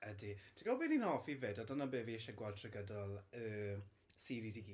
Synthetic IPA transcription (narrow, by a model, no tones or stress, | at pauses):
əditʰəɡɔbiːninhɔfiveːdadənabeːviɪʃɛɡwaltʰrɛɡədɔlˠəː | siːɾisiɡiː